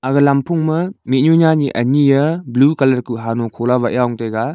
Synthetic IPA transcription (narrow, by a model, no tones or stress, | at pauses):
aɡɐlampʰuŋmɐmit̚ɲunaniʔɐnijɐblukɐlɐɾkuɦanokʰolabaʔjawŋtejɡa